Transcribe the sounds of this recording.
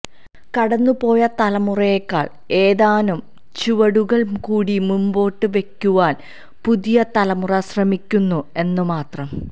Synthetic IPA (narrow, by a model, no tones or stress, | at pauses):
kɐɽɐnːupo̞ːjɐt̪ɐlɐmurɐjekːaːɭ | e̞ːðaːnum | t͡ɕuʋɐɽuɣɐɭkuːɽimumbo̞ːʈːɨʋe̞kʲːuʋaːn | puðijɐt̪ɐlɐmurɐsrɐmikʲːunːue̞nːɨmaːt̪rɐm